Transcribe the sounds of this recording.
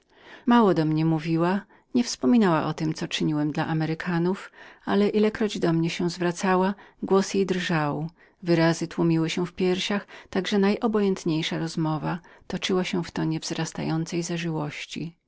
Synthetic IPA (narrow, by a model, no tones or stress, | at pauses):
mawɔd̪ɔmɲɛmuvʲiwa | ɲɛfspɔmʲinawaʔɔt̪ɘmt̪sɔt͡ʂɘɲiwɛmd̪laʔamɛɾɘkʰanufalɛʔilɛkɾɔd͡ʑd̪ɔmɲɛɕɛ̃w̃zvɾat̪sawaɡwɔsjejd̪rʐaw | vɘɾazɘt̪wumʲiwɘɕɛ̃fpʲjɛɾɕaxt̪aɡʐɛnajʔɔbɔjɛnt̪ɲejʂaɾɔzmɔvat̪ɔt͡ʂɘwaɕɛ̃ft̪ɔɲɛvzɾast̪a̰jɔnt̪sɛjzaʐɘwɔɕt͡ɕi